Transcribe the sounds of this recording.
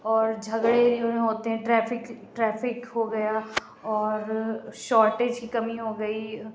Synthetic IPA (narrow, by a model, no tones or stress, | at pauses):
ɔːɾd͡ʒʱəɡɽeɾ̃ɦoːt̪eɦɛ̃ʈɾɛːfɪkʈɾɛːfʰɪkɦoɡɐja | ɔːɾʃɔːɾʈeːd͡ʒkikɐmiɦoɡəi